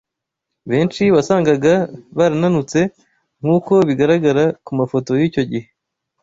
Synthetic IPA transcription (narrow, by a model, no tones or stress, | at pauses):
βeːnʃiβasaːŋɡaɡaβaɾananut͡se̞ | ŋ̥huːko̞βiɡaɾaɡaɾakumafo̞tojiːco̞ɟihe̞